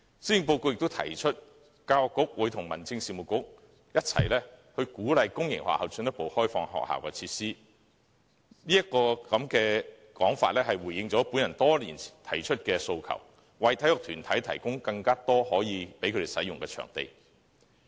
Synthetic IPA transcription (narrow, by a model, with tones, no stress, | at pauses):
siː˥ji˧ŋp̬o˧wko˧wjɪ˨k̚t̪o˥wt̪ʰɐ̰˨˩jt͡ʃʰɵ˥t̚ | kaː˧wkʊ˥k̚wu˨˥jt̪ʰʊ˨˩ŋmɐ˨˩nt͡sɪ˧ŋsiː˨mu˨˩kʊ˥k̚ | jɐ˥t̚t͡sʰɐ̰˨˩jlɛː˥ | hɵ˧kuː˨˥lɐ˨jkʊ˥ŋjɪ̰˨˩ŋwa̰ː˨hɐ˨wt͡sɵ˧njɐ˥t̚po˨˧whɔː˥jfɔː˧ŋɦɔ̰ː˨k̚ha̰ː˨wkɛː˧t͡sʰiː˧tsiː˥ | niː˥jɐ˥t̚kːɔː˧kɐ˨˧mkɛː˧ | kɔː˨˥ŋfa̰ː˧t̚lɛː˥hɐ˨jwuː˨˩jːɪ˨ŋt͡sɔː˨˥puː˨˥njɐ˨˩nt̪ɔː˥liː˨˩n˨t̪ʰɐ˨˩jt͡ʃʰɵ˥t̚kɛː˧so˧wkʰɐ̰˨˩w | wɐ˨˩jt̪ʰɐ˨˥jɔː˨˩t̪ʰyː˨˩nt̪ʰɐ˨˥jt̪ʰɐ˨˩jkʊ˥ŋkɐ˧ŋkaː˥t̪ɔː˥hɔː˨˥jiː˨˧pe˨˥jkʰɵ˨˧e˨jsɐ̰˨˥jʊ˨ŋkɛː˧t͡ʃʰœ̰ː˨˩ŋt̪ḛ˨j